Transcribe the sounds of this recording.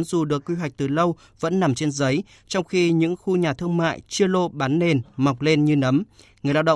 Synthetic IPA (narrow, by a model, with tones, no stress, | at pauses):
nzu˨˩ɗɨ˨˩əkːwi˧ɦwa˨˩k̚t̪ɨ˨˩lə˧w | və̰˧˥nːa˨˩mt͡ɕe˧nzə˨˦j | t͡ɕɔ˧wŋ͡mxi˧ɲɨ̰˧˥ŋxu˧ɲaː˨˩t̪ʰɨ˧əŋma̰ː˧˨jt͡ɕɨ˧əlo˧ɓaː˨˦nːe˧˩nma˨˩wk͡p̚le˧nɲɨ˧nə˨˦mŋɨ˨˩əjla̰ː˧wɗə̰˧˨